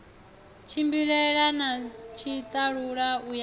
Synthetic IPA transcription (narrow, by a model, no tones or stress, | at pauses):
t͡ʃʰimbiɺɛɺanat͡ʃʰit̪ʼaɺuɺauj